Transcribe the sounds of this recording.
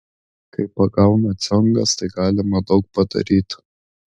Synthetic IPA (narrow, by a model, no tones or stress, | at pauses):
kɐɪpɐɡɐʊnɐt̪sʲɔŋɡɐst̪ɐɪɡɑːlʲɪmɐd̪ɒʊk̚pɐd̪ɐ̰ɾʲiːt̪